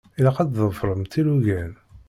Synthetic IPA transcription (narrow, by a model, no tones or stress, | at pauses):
ilæqæd̪ðˤəfɾˤəmt̪iluʝæn